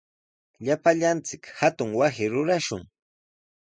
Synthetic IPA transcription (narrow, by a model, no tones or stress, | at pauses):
ʎapaʎant͡sɪkhat̪ʊŋwasɪɾʊɾaʃʊ̰ŋ